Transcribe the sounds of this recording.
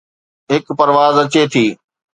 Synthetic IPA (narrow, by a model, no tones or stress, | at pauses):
ɦɪkpɐɾʋaːzɐt͡ɕet̪ʰiː